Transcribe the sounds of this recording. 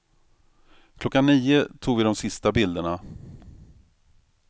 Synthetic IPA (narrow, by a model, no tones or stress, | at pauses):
kʰlɔkːanːiːət̪ʰuːɡvɪd̪ɔmsɪst̪abɪld̪əɳa